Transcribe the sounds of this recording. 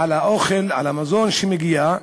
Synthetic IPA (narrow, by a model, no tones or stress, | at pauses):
alaʔoχelʕa̰lamazo̞nʃemeɡija